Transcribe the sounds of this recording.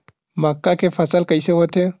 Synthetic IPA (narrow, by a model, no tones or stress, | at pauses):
makːakefasalkajsehɔte